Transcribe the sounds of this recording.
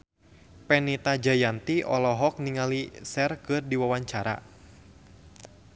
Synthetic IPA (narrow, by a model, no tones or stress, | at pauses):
pɛnit̪ad͡ʒajant̪iʔɔlɔɦɔk̚niŋalisɛrkɨrdiwawaɲt͡ʃaɾa̰